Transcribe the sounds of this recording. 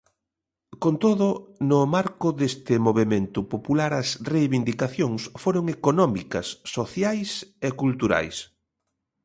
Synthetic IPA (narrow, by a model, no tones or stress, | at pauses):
kont̪oðʊnʊmaɾkʊðest̪ɪmoβ̞emẽnt̪ʊpopulaɾɐsrejβind̪ikaθjoŋsfoɾoŋekonɔmikɐsːoθjajsekult̪uɾa̰js